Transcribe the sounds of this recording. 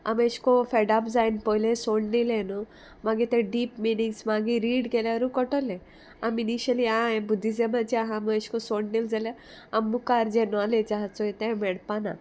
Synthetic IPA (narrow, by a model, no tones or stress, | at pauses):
a̰mẽɕkɔfeɖapd͡zajnpɔjlẽsoɽnilenɔ | maɡit̪ẽɖiːpminĩŋɡsmaɡiɾiːɽɡelaɾukɔʈɔle | aminiɕəliãɛ̃bud̪ʱːid͡zemãt͡ɕiaɦãmeɕkɔsoɽnild͡zalja | amːukaɾd͡ʑenɔaled͡ʑaɦat͡sɔet̪ẽmɛɽpana̰